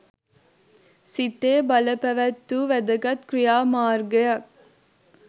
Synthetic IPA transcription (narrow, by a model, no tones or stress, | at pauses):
sit̪eːbɐləpæʋæt̪ːuːʋæd̪əkɐt̪krijaːmaːrɡɐjɐk̚